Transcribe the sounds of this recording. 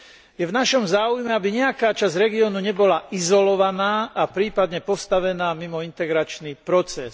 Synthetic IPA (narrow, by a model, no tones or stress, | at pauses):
jɛvnaʃɔmzaːujmɛabiɲɛakaːt͡ʃazɾɛɡiɔnuɲɛbɔlaʔizɔlɔʋanaːapɾiːpad̪ɲɛpɔst̪aʋɛnaːmimɔint̪ɛɡɾat͡ʃnipɾɔt͡sɛs